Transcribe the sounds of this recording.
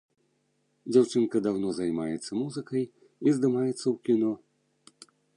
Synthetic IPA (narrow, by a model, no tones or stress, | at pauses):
d͡zʲawt͡ʂɨnkɐd̪awnɔzajmajɛt̪sːɐmuzɨkɐj | izd̪ɨmajɛt̪sːɐwkʲinɔ